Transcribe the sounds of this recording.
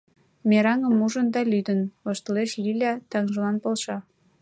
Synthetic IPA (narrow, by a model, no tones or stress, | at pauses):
meɾɑŋə̆muʒənd̪ɑlyd̪ənoʃt̪ə̆leʃlilʲɑt̪ɑŋʒə̆lɑnpolʃɑ